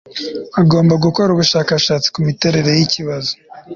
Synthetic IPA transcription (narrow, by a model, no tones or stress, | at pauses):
aɡo̞ːmbaɡuko̞ɾuβuʃaːkaʃaːt͡si̥kumite̞ɾe̞ɾe̞jiciβazo̥